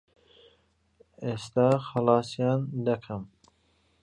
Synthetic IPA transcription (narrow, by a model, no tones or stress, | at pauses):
est̪ɑːxɐlɑːsjɑːnd̪ɐkʰɐm